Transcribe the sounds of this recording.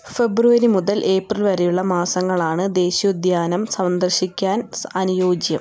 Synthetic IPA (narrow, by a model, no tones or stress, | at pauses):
fe̞bruʋɐɾimuðɐlʔe̞ːprilʋɐɾejuɭːɐmaːsɐŋːɐɭaːɳɨd̪e̞ːɕijud̪jaːnɐmsɐʋnd̪ɐrɕikʲːaːnɐnujo̞ːd͡ʑjɐ̰m